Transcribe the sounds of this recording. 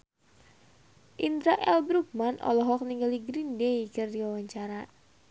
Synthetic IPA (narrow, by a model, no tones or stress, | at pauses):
ʔind̪ɾaʔɛlbɾuk̚manʔɔ̰lɔɦɔk̚niŋɡaliɡɾindejkɨrdiwawaɲt͡ʃaɾa